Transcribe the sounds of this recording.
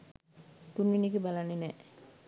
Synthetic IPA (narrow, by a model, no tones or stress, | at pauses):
t̪unːinikebalanːenɛ